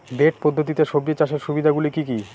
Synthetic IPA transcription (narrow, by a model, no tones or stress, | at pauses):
beʈ̚pod̪ʱːot̪̬it̪eʃobɾiet͡ɕaʃeɾʃubid̪ʱaɡulikiki